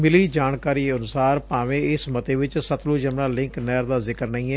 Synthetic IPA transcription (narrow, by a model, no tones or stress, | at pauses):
mɪliːd͡ʒaːnkaːɾiːənʊsaːɾpãːʋẽːɪsmət̪eːʋɪt͡ʃsət̪ʰluːd͡ʒəmnãːlɪ̃ŋknɛːɾd̪aːzɪkəɾnəĩːɛː